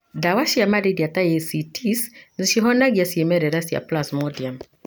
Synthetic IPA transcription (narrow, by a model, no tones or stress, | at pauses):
dawaʃijamaɾidiatajɛsitʰisniʃiɦɔnaɡiasiɛmɛɾɛɾasia̰plasmɔdiam